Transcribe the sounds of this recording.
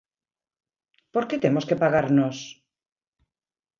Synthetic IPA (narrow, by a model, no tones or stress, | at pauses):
poɾket̪emoskepaɣaɾnos